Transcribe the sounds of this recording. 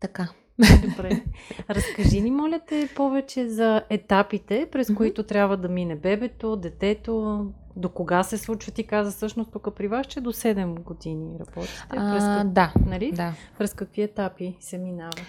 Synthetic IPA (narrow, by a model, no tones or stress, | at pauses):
t̪ɐka | olɛpɾɛɾɐskɐʒinimɔlʲɐt̪ɛpɔvɛt͡ʃɛzɐʔɛt̪apit̪ɛpɾɛskoit̪ot̪ɾʲjabvəd̪ɐminɛbɛbɛt̪od̪ɛt̪ɛt̪o | d̪okoɡasɛslˠut͡ʃvət̪ikazəsɤʃnost̪ukəpɾivaʃt͡ʃɛd̪osɛd̪ɛmɡod̪iniɾɐbɔt̪i̥t̪ɛpɾɛsd̪anɐlid̪apɾɛskɐkviɛt̪apisɛminavə